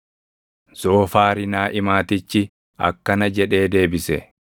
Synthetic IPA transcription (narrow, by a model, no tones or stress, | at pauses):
z̥o̞ːfaːɾɪnaːʔɪmaːt̪ɪt͡ʃːɪ | ɐ̰kːɐnɐd͡ʒɛᶑe̞ːd̪e̞ːbɪsɛ